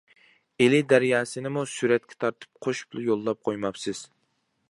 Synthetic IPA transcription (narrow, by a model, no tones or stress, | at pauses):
elɪd̪æɾjɑːsɨnɪmusyɾɛt̪̚kʲʰɛ̥t̪ʰɑɾt̪ʰɨ̥p̚qʰoʃblˠɪjolˠːɑp̚qʰojmɑpsɨz̥